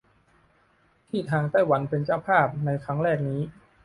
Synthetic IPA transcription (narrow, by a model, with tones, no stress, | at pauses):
t̪ʰiː˥˩t̪ʰaː˧ŋt̪a˥˩jwa˩˦npe˧nt͡ɕa˥˩wpʰaː˥˩p̚na˧jkʰɾa˦˥ŋɾɛː˥˩k̚niː˦˥